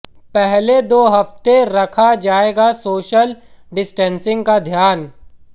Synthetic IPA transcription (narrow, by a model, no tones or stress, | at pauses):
pɛɦled̪oːɦɐft̪eɾɐkʰad͡ʒaːeːɡasoːʃəlɖɪsʈɛ̃ːnsɪ̃ŋɡkad̪ʱjaːn